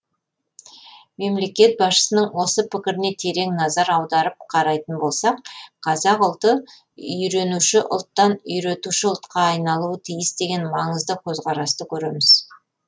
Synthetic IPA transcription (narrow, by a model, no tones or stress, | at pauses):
me̞mle̞kʲe̞t̪̚bɑsʃə̥sənəɴwo̞səpɪkʲɪɾɪne̞t̪ʰe̞ɾe̞ŋnɑzɑɾɑwd̪ɑɾəp̚qʰɑɾɑjt̪ənbo̞lˠsɑqqʰɑzɑqʊlˠt̪ə | ʏjɾe̞nuʃɪʔʊ̰lˠt̪ːɑnʏjɾe̞t̪uʃɪʊlˠt̪qɑːjnɑlˠuət̪ʰijɪsd̪e̞ɡʲe̞nmɑɴəzd̪əkʲʰɵzqɑɾɑst̪əkʲʰɵɾe̞mɪz̥